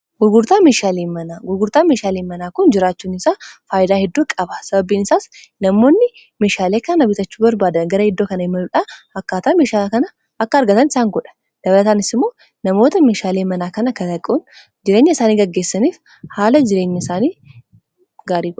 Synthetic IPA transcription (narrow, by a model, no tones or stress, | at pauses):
ɡ̥ʊɾɡʊɾt̪aːmeːʃaːleːmɐnaːɡʊɾɡʊɾt̪aːmeːʃaːleːmɐnaːkʊnd͡ʒɪɾaːt͡ʃːuːnɪsaːfaːjɪd̪aːhɛd̪ːuːkʼɐbɐ̥sɐbɐbiːnɪsaːs | nɐmo̞ːnːɪ | meːʃaːleːkɐnnɐbɪt̪ɐt͡ʃːu̥ːbɐɾbaːd̪ɐnɡɐɾɐhɪd̪ːo̞ːkɐnɐɪmɐnuᶑaːɐkːaːt̪ɐaːmeːʃaːkɐnɐ | ɐkːɐɐɾɡɐt̪ɐnɪsaːŋɡɔᶑɐ̥ | d̪̥ɐbɐlɐt̪aːnɪsɪmːo̞ː | nɐmo̞ːt̪ɐmeːʃaːleːmɐnaːkɐnɐkːɐt̪ɐkʼːuːn | d͡ʒɪɾeːɲːɐɪsaːniːɡɐɡːeːsːɐniːf | haːlɐd͡ʒɪɾeːɲːɐɪsaːniː | ɡaːɾiːɡɔᶑ